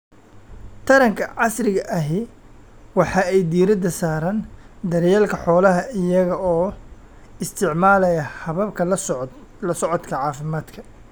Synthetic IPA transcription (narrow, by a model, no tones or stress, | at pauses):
t̪ʰɐɾɐŋkʰɐʕɑsrɪɣɐʔɐɦɪ | wɑħɑːɛjd̪iːɾɐd̪ɐsaːɾɐnd̪ɐɾjaːlkʰɐħɔːlɐɦɐɪjɐɣɐɔː | ɪst̪ʰɪʕmaːlɐjɐhɐβɐbkʰɐ | lɐsɔʕɔt̪kʰɐʕɑːfɪmaːd̪kʰɐ